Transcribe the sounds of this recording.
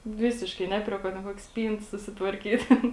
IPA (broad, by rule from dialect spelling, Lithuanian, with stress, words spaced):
ˈʋʲɪsʲɪʃkɐɪ ˈnʲɛ pʲrʲiɛ ˌkuɔ tʲɛn ˈkuɔkʲeː ˈsʲpʲiːnt sʊsʲɪtʋɐrʲˈkʲiːtʲ ˈtʲɛn